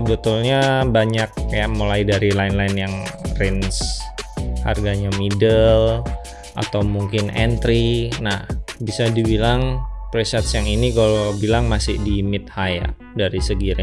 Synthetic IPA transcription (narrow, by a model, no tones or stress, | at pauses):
bət̪ʊlɲabaɲak̚jaʔmulaidaɾilaɪnlaɪnjaŋrɛns | ha̰rɡaɲamidəl | ʔa̰t̪awmuŋkɪnɛnt̪ɾinahbisadibilaŋpɾesɛt̪sjaŋinikalabilaŋmasɪhdimɪt̪̚haja̰ʔ | daɾisəɡiɾa